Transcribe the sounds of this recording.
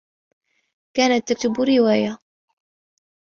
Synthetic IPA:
kaːnat̪ːak̚t̪ʊbuɾɪwaːja

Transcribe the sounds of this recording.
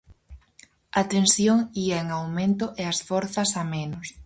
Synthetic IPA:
ɐt̪ensjoŋiɐeŋawmẽnt̪ʊʔeɐsfɔɾθɐsamenʊs

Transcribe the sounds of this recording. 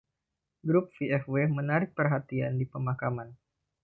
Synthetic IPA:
ɡɾʊp̚fiɛfwemənaɾɪk̚pərɦat̪iandipəmakaman

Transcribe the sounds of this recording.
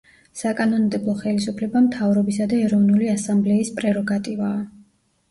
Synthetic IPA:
sakʼanɔnd̪ɛblˠɔχɛlisupʰlɛbamt̪ʰavɾɔbisad̪aɛɾɔvnuliasamblɛispʼɾɛɾɔɡat̪ʼivaː

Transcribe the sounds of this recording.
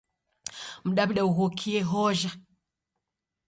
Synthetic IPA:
m̩ɗabiɗauɣokʰieɦoʒa

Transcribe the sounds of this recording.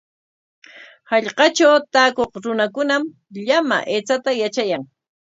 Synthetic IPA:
hɑʎqɑt͡ʃawt̪aːkoχɾʊnakʊnam | ʎama̰ʔeːt͡sat̪ajat͡ʃajaŋ

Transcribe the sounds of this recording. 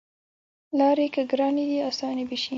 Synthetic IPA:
lɑɾekəɡɾɑnid̪iasɑnebiʃi

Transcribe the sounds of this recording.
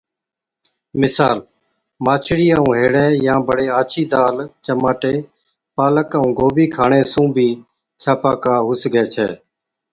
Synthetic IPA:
mɪsaːl | maːt͡ʃʰɽiːãːũːɦeːɽɛːjãːbəɽeːaːt͡ʃʰiːd̪aːlt͡ʃəmaːʈeː | paːləkaũːɡoːbiːkʰaːɳeːsũːbʱiː | t͡ʃʰaːpaːkaːɦʊsɡʱɛːt͡ʃʰɛ̰ː

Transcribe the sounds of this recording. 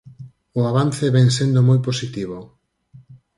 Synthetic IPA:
ʊaβanθeβɛŋsend̪omojposit̪iβo

